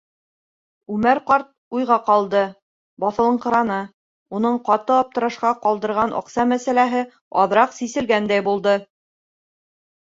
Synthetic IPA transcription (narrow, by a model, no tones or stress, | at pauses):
ʉmæɾqɑɾt̪̚ujʁɑqɑlˠd̪ɤ | bɑθɤ̆lˠɤ̆ɴqɤ̆ɾɑnɤ | unɤɴqɑt̪ɤɒp̚t̪ɤ̆ɾɤ̆ʃqɑqɑlˠd̪ɤ̆ɾʁɑnʔɑ̰qsɑmæsælæɦɘ | ɒðɾɑqsisɘ̆lɡænd̪æjbulˠd̪ɤ